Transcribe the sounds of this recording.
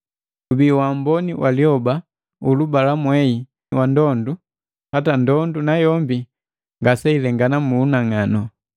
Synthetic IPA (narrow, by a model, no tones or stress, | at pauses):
ubiwambɔniwʔaliɔba | ulubalamwɛi | wandɔndu | hatandɔndunajɔmbi | ŋɡasailɛŋɡanamuːnaŋanɔ